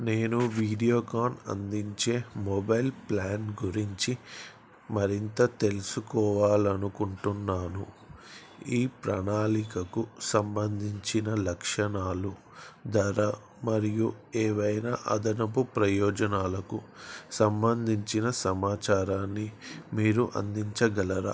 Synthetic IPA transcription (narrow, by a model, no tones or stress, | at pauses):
ne̞ːnuʋiːɖijoːkaːɳɐ̰nd̪iɲt͡ʃe̞ːmɔbɐjlplaːnɡuɾiɲt͡ʃi | mɐɾint̪ɐt̪e̞lusukɔːʋaːlɐnukuɳʈunːaːnu | iːpɾɐnaːlikɐkusɐmbɐnd̪ʱiɲt͡ʃinɐlɐkʂɐɳaːlu | d̪ɐɾɐ | mɐɾijueːʋɐjnaːʔɐ̰d̪ɐnɐp̬upɾɐjɔːd͡ʒɐnaːlɐkusɐmbɐnd̪ʱiɲt͡ʃinɐsɐmaːt͡ʃaːɾaːnːimiːɾuʔɐ̰nd̪iɲt͡ʃɐɡɐlɐɾa̰